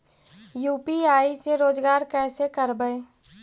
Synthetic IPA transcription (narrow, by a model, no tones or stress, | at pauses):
juːpiaːiseɾoːd͡ʒɡaːɾkɛːsekəɾbəe